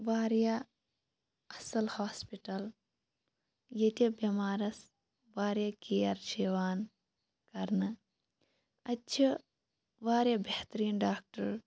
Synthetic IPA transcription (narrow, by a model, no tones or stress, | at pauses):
ʋaːɾjɐ | ɐsɐlhaːspiʈɐl | jet̪ʲibɐmaːɾɐs | ʋaːɾjɐkijɐɾʃeːʋaːn | kɐɾnɨ | ɐtːt͡ʃʰi | ʋaːɾjɐbʱeht̪ɾiːnɖaːk̚ʈɐɾ